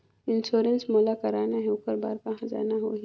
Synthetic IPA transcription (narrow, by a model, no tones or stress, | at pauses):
ɪnsoːɾənsmolakɐɾaːnaɦɛʊkəɾba̰ːɾkɐɦãd͡ʒa̰ːnaɦo̰ːi